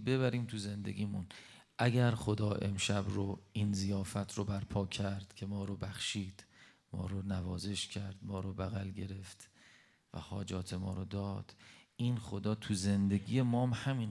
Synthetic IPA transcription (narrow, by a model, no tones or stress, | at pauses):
be̞βæɾiːmt̪ʰuze̞nd̪e̞̰ɡiːmun | ʔæɡæɾχo̞d̪ɒːʔe̞̰mʃæbɾoiːnzijɒːfæt̪ʰɾobæɾpʰɒːcʰæɾd̪̥cʰe̞mɒːɾobæχʃiːd̪̥ | mɒ̰ːɾonævɒːze̞ʃcʰæɾd̪̥mɒːɾobæɣælɟe̞ɾe̞ft̪ | væ̰hɒːd͡ʒɒːt̪ʰe̞mɒ̰ːɾod̪ɒːd̪̥iːnχo̞d̪ɒːt̪ʰuze̞nd̪eɡije̞mɒːmhæmin